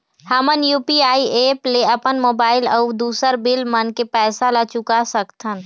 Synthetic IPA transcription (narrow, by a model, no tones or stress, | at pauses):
həmənjuːpiaːieːpleɐpənmoːbaːɪləʊd̪uːsəɾbɪlmənkepɛːsalat͡ʃʊkasəkt̪ʰən